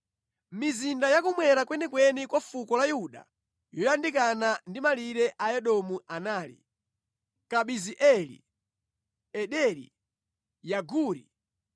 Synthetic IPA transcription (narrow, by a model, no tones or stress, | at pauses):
mizindajakumwɛɾakwɛnɛkwɛnikwafukɔlajuɗa̰ | jɔjandik̬anandimaliɾɛʔaɛɗɔmuanaːlḭ | kaɓiziʔɛlḭ | ɛɗɛɾḭ | jaɡuːɾḭ